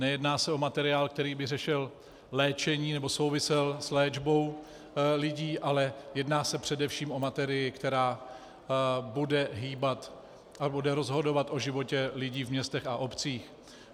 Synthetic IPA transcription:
nɛjɛdnaːsɛo̞mat̪ɛɾɪaːlk̚t̪ɛɾiːbɪrɛʃɪl | lɛːt͡ʃɛɲiːnɛbo̞so̞wvɪsɛlslɛːd͡ʒbo̞w | lɪɟiːʔalɛjɛdnaːsɛpr̝̥ɛdɛfʃiːmo̞mat̪ɛɾɪjɪkt̪ɛɾaː | budɛɦiːbat̪ | abudɛɾo̞zɦo̞do̞vat̪ʔo̞ʒɪvo̞cɛlɪɟiːvmɲɛst̪ɛxaʔo̞pt͡siːx

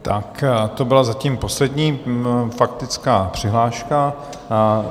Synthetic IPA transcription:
t̪ʰakt̪o̞bɪlazaciːmpo̞slɛdɲiːfak̚t̪ɪt͡skaːpr̥ɪɦlaːʃka

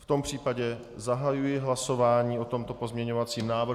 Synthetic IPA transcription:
ft̪o̞mpr̝̥iːpaɟɛ | zaɦajujɪɦlaso̞vaːɲiːot̪o̞mt̪o̞po̞zmɲɛɲovat͡siːmnaːvɾ

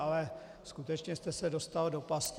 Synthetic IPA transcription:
alɛ | skut̪ɛt͡ʃɲɛst̪ɛsɛdost̪aldopast

